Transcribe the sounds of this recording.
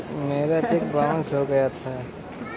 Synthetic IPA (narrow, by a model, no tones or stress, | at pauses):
meːɾat͡ʃek̚bɾãːʊ̃nsɦoɡɐjat̪ʰaː